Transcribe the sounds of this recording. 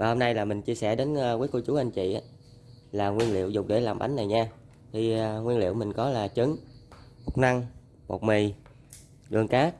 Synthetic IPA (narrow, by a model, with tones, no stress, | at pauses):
vaː˨˩ho˧mna˧jlaː˨˩mï˨˩ŋ̟t͡ɕi˧əsɛ˧˩ɗe˨˦nː˧wəː˨˦jko˧t͡ɕu˨˦ʔa˧jŋ̟t͡ɕḭ˧˨ʔaː˨˦ | laː˨˩ŋwi˧ənlḭ˧˨əwzʊ˨˩k͡p̚ɗe˧˩laː˨˩mɓa̰˨˦jŋ̟na˨˩jɲaː˧ | t̪ʰi˨˩˧ŋwi˧nlḭ˧˨wmï˨˩ŋ̟kɔ˨˦laː˨˩t͡ɕɨ˨˦ŋmo˨˩t̚na˧ŋ | mo̰˨˩t̚mi˨˩j | ɗɨ˨˩əŋkaː˦˥k̚